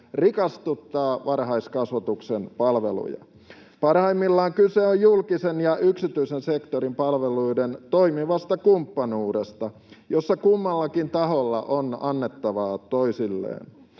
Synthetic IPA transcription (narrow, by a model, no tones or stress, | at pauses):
rikɑst̪ut̪ːɑːʋɑrɦɑiskɑsʋɑt̪uksenpɑlʋḛlṵjɑ̰ | pɑrhɑimːilːɑːŋkyseojjulkisenjɑʔyksit̪yisensekt̪oɾimpɑlʋeluident̪oimiʋɑst̪ɑkumpːɑnuːdest̪ɑ | josːɑkumːɑlːɑkint̪ɑɦolːɑ̰ʔonɑnːet̪ːɑʋɑːt̪oisilːḛːn